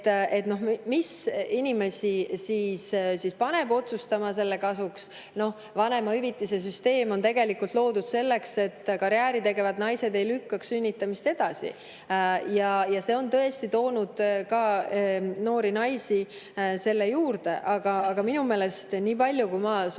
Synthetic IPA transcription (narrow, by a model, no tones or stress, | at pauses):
e̞t̪no̞ɦmisinʲime̞sisiːssispɑne̞b̥o̞t̪sust̪ɑmɑs̬e̞lːe̞kɑsuks | no̞h | vɑne̞mɑyvit̪ˑːis̬e̞s̬yst̪e̞ːmo̞nt̪e̞ɡe̞likult̪ˑlo̞ːd̪ud̪̥se̞lːe̞kse̞t̪ːkɑɾjæːɾit̪e̞ɡe̞vɑd̪nɑjse̞d̪e̞jlykːɑksynʲːit̪ːˑɑmist̪e̞d̪̥ɑsḭ | jɑjɑse̞o̞nt̪ɤ̞e̞st̪it̪o̞ːnud̪̥kɑ | no̞ːɾinɑjsi | se̞lːe̞juːɾd̪e̞ʔɑɡ̥ɑɑɡ̥ɑminume̞ːle̞st̪niːpɑlʲːjukujmɑ